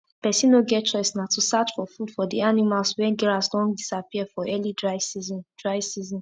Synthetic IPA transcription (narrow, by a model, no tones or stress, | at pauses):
pɛsĩnoɡɛtt͡ʃɔɪsnatusat͡ʃfɔfudfɔdianimalswɛ̃nɡɛɹasdɔ̃ndisapiɛfɔɛlidɹaɪsizɔ̃nd̥ɹaɪsizɔ̃n